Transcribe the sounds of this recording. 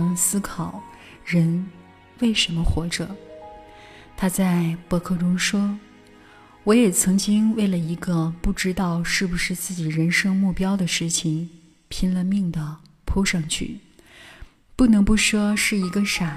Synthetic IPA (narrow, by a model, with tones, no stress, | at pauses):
ŋsɹ̩˥kʰɑ˨˩˦ʊ | ɻə˧˥n | we˥˩ɪʂə˧˥nmə˧xwɔ˧˥ʈ͡ʂɤ˨˩˦ | t̪ʰa˥t͡sa˥˧ɪpɔ˥˧kʰɤ˥˩ʈ͡ʂʊ˥ŋʂwɔ˥ | wɔ˧˥jɛ˨˩t͡sʰɤ˧˥ŋt͡ɕi˥ŋwe˥˩ɪlə˩i˧˥ɡə˧pu˥˩ʈ͡ʂɻ̩˥t̪ɑ˥˧ʊʂɻ̩˥˩bu˩ʂɻ̩˥˧t͡sɹ̩˥˩t͡ɕi˨˩ɻə˧˥nʂɤ˥ŋmu˥˩pjɑ˥ʊd̪ə˨ʂɻ̩˥˩t͡ɕʰi˨˩ŋ | pʰi˥nlə˧mi˥˩ŋd̪ə˩ | pʰu˥ʂɑ˥˧ŋt͡ɕʰy̰˥˩ | pu˥˩nɤ˧˥ŋpu˥˩ʂwɔ˥ʂɻ̩˥˩i˧˥ɡə˧ʂa˨˩